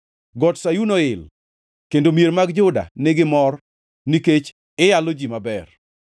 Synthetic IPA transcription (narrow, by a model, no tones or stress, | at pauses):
ɡɔtsajunoɪl | kendomjeɾmaɡd͡ʒʊda̰neɡɪmɔr | niket͡ʃ | ɪjalod͡ʒimabɛr